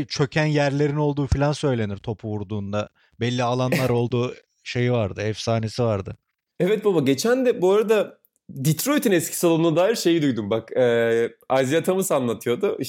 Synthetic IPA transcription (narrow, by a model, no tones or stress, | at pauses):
t͡ʃʰø̞cʰænjæɾlʲe̞ɾino̞lˠd̪uːfilʲansø̞jlʲe̞niɾ̥t̪ʰo̞pʰuvuɾd̪uːnd̪a | bɛlʲːialˠanˠaɾo̞lˠd̪uː | ʃe̞jivaɾd̪ɯɛfsaːne̞sivaɾd̪ɯ̰ | ɛvɛt̪̚babaɟe̞t͡ʃʰænd̪ɛboɾad̪a | d̪it̪ɾojt̪ʰinɛscʰi̥salˠonunad̪aːjiɾʃe̞jid̪ujd̪umbakː | azijat̪ʰamɯsanlˠat̪ʰɯjo̞d̪ui